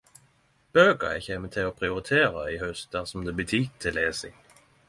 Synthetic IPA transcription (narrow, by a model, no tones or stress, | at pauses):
b̥øːɡɑ̰ɛ̰çeːmət̪ʰɪloːpʰʁɪʊɾɪt̪ʰeːɾɑɪhœst̪̚d̪æʁsɔmd̪ebət̪ʰyːt̪ʰːɪleːsɪŋ